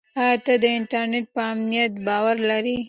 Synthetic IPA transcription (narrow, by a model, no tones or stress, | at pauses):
ɑjɑt̪ad̪əɪɳʈaɾneʈ̚pəamnijat̪bɑwaɾlaɾi